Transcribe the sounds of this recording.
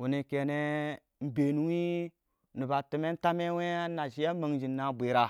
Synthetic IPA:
wu˨ni˨ke˨ne˦ | m̩˨be˨nu˦wi˦ | nu˨ba˨ti˨me˦n˦ta˦me˦we˦a˦na˨ʃi˦ja˦ma˨ŋd͡ʒi˨nːa˦bʷe˨˦ɾa˦

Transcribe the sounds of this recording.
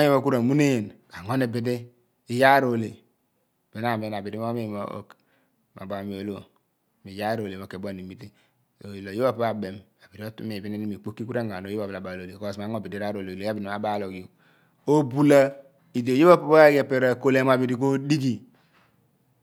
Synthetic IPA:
a˦jo˦mo˦˨ku˦ɾa˨mu˦ne˦je˨nka˨ŋo˦ne˨be˨de˦ | i˦ja˦ɾo˨le˨ | b̥e˨na˨me˦na˨bi˨ɾi˦o˦me˦˨mo̰˦o̰˨k | ma̰˨ba˨mi˨o˨lo˦ | mi˨ja˦ɾo˨le˨mo˨ke˨bʷa˦˨ni˨mi˦ti˦ | o˨lo˨jo˦ba˦˨pa˦ba˨be˨ma˨bi˨ɾi˦o˦tṵ˦me˨bi˦ne˦ni˦mi˨k͡po˦kːi˦ku˦ɾe˦ŋ˨a˨no˨jba˨bla˨ba˨o˨le˨ko˦˨sma˨˦ŋo˦˨bi˨di˦ɾa˦ɾo˨le˨lo˨˦a˦bi˨n˨ma˨ba˦lo˨ɡjo˨ | o˦bu˦la˦ | i˨do˨jo˦ba˦po˦ba˦ɡe˦˨pe˦ɾa˦ko˦le˦m˨a˨bi˨ɾi˨k̬o˦di˦ɡi˨

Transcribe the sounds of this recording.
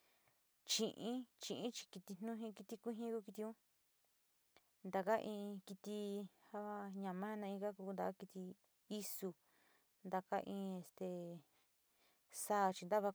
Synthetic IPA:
t͡ʃĩ˨ʔĩ˦t͡ʃĩ˧˨ʔĩ˦t͡ʃi̥˧ki˧t̪i˧n̥nũ˦ɦĩ˦ki˧t̪i˧kʷi˦ɦĩ˦ku˧ki˧t̪i˧ũ˦ | nd̪a˨ka˦ʔĩː˧ki˧t̪i˧ha˦βa˦ɲã˨mã˦˧nã˧ĩ˧ɡa˦ku˧nd̪a˨ka˦ki˧t̪i˧ | i˦su˧ | nd̪a˧ka˦ʔĩ˧e˨st̪e˨ | saː˦˨˧t͡ʃi˧nd̪a˦βa˧

